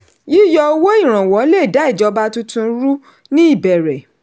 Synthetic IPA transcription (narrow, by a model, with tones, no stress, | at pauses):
ji˦˨jɔ˧o˧wo˦i˦˨ɾ̃ã˨wɔ˨˦le˦˨da˨˦i˦˨d͡ʒɔ˧ba˦tũ˦tũ˧˦ɾu˦ | nĩ˦i˦˨bɛ˨ɾɛ˨